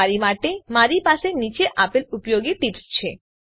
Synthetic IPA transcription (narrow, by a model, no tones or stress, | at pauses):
aɾimaʈemaɾipaʃenit͡ɕeʔapelupojoɡiʈipst͡ɕʰe